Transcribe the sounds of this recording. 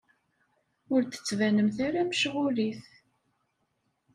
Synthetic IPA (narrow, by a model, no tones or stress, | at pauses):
ʊɾθə̥t͡sːvænəmθaɾæməʃʁʊliθ